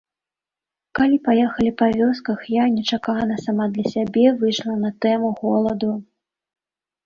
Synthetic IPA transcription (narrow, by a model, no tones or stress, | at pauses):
kalʲipajɛxɐlʲipavʲɔskɐxjanʲɛt͡ʂakanɐsamad̪lʲɐsʲabʲɛvɨjʂlˠɐnɐt̪ɛmuɣɔlˠɐd̪u